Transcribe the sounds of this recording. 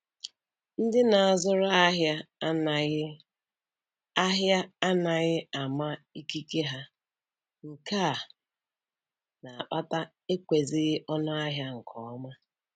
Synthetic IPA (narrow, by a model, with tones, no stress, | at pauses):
n̩˦dɪ˦na˨a˨zʊ˦ɾʊ˦a˦ɦja˦n˨ɣ | a˦ɦja˦a˦na˨ɣɪ˦a˨ma˦i˦ki˦ke˦ɦa˦ | ŋ̩˨ka˦˨ | na˨a˨k͡pa˦ta˦ | e˦kʷe˨zɪ˦ɣɪ˦ʔɔ˦nʊ˦a˦ɦja˦ŋ̩˨kʰɔ˨ɔ˦ma˦